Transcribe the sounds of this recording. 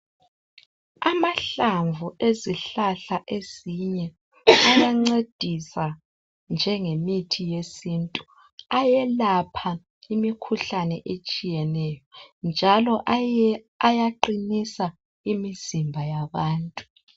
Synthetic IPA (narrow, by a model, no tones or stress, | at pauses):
amaɬaɱvuʔeziɬaɬaʔeziɲɛ | ajjaŋ͡ǀed̥ʱisa | nd͡ʒʱɛŋemitʰijesiːntʼu | ajɛlapʰa | imikʰuɬanɛʔet͡ʃʼijɛnɛjɔnd͡ʒʱalɔʔ | ajaǃinisa | imizimbʱajaβaːntʼu̥